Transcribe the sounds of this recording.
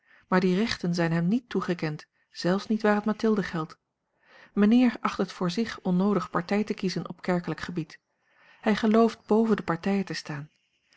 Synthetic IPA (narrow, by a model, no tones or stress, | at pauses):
maːɹdirɛχtənzɛjnɦɛmnitːuχəkɛnt | z̥ɛlˠfsnitʋaːrɦətmatɪlˠdəχɛlˠt | mənɪːɹɑχtətfʊːɹzɪχɔnowdəχpɑɹtɛjtəkizənʔɔ̰pkɛɹkələkχəbit | hɛjχəlowft̚b̥owvəndəpɑɹtɛjətəstaːn